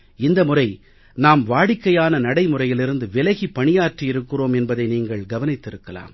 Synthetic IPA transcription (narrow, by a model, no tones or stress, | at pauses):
ɪnd̪ɐmʊrɐɪ | naːmʋaːɽɪkːɐjaːnɐnɐɽɐɪmʊrɐjɪlɪɾɯnd̪ɯʋɪlɐɣipːɐɳɪjaːʈrijɪɾɯkːɯroːmɛnbɐðɐɪniːŋɡɐɭɡɐʋɐnɪt̪ːɪɾɯkːɐla̰ːm